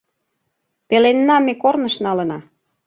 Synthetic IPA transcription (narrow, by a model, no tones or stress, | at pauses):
pelenːɑmekornə̆ʃnɑlə̆nɑ